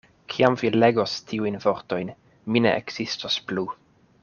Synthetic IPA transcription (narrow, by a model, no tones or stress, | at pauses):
kʰiamvile̞ɡo̞stʰiujnvo̞ɾto̞jn | minḛʔḛɡz̥istosplu